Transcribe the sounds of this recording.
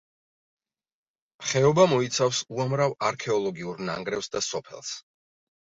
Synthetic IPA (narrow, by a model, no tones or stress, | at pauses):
χɛɔbamɔit̪sʰafsuamɾavaɾkʰɛɔlˠɔɡiuɾna̰ŋɡɾɛfsd̪asɔpʰɛ̰lˠs